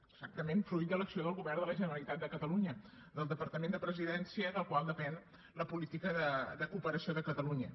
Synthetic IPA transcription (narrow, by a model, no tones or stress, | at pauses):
əɡz̥ak̚t̪əmenfɾujt̪̚d̪ələksioð̞əlˠɣuβɛrðələʒənəɾəlˠit̪at̪̚d̪əkət̪əluɲə | d̪əlˠd̪əpəɾt̪əmend̪əpɾəziðɛnsiəðəlˠkwalˠd̪əpɛn | ləpulit̪ikəðəðəkupəɾəsioðəkət̪əluɲə